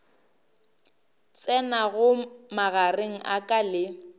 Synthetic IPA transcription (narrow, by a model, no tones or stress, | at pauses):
t͡sʼɛnaɣʊmaɣareŋ̩ʔakʼalɪ